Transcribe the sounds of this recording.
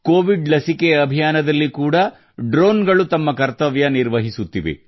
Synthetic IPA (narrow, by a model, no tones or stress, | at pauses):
koːʋiɖlɐsikeɐbʱijaːnɐd̪ɐlːikuːɽɐ | ɖɾoːnɡɐɭut̪ɐmːɐkɐɾt̪ɐʋjɐniɾʋɐɦisut̪ːiʋḛ